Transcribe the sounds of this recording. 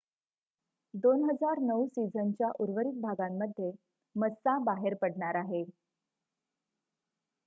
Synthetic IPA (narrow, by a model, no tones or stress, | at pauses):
d̪onɦəd͡zaɾnəwsid͡zənt͡ɕjaʔuɾʋəɾik̚bʱaɡamːəd̪ʱje | məsabaɦeɾpəɽɳaɾaɦe